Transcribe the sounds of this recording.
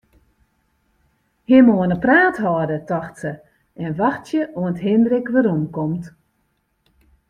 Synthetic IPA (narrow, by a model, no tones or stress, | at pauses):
hɪmoənəpraːthɔdətɔxtsə | ɛnʋaxtjəʔoənətɦɪndrɪkʋəɾomkɔmt